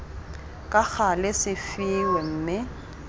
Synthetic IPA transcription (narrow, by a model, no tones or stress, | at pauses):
kʼak͡xalɪsɪfiwem̩ːmɪ